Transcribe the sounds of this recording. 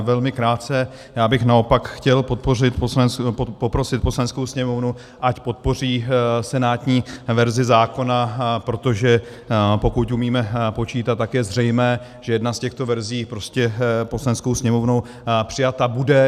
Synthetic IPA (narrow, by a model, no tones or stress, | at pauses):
vɛlmɪkɾaːt̪t͡sɛ | jaːbɪxnao̞pakxcɛlpot̪̚porɪt̪opopɾo̞sɪt̪̚poslanɛnskowsɲɛmovnu | ʔacpo̞t̪̚po̞r̝iːsɛnaːt̪ɲiːvɛɾzɪzaːko̞napɾo̞t̪o̞ʒɛ | po̞kut̪umiːmɛpo̞t͡ʃiːt̪at̪̚t̪ːakjɛzr̝ɛjmɛː | ʒ̥ɛjɛdnascɛxt̪ovɛɾziːpɾo̞scɛposlanɛnskowsɲɛmo̞vnow | pr̝̥ɪjat̪abudɛ